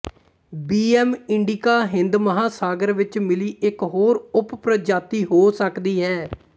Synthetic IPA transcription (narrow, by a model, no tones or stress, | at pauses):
biːɛːmɪɳɖikaːɦɪ̃nd̪məɦaːsaːɡəɾʋɪt͡ʃmɪliːɪkɦoːɾʊppɾəd͡ʒaːt̪iːɦoːsəkd̪iːɦɛː